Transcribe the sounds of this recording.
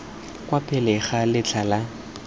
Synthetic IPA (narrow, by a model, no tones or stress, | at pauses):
kwapʰʼɛlɛχalɪt͡ɬʰala